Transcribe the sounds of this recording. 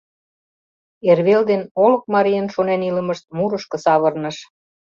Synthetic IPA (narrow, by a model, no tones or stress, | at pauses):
erβeld̪enolə̆k̚mɑɾijənʃonenilə̆məʃt̪̚muɾəʃkɤ̆sɑβə̆rnəʃ